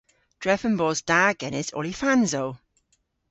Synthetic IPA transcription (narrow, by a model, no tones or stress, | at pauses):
d̥ɹɛfə̃nbɔːzd̥aːɡ̥ɛnɪsɔ̰lifanzow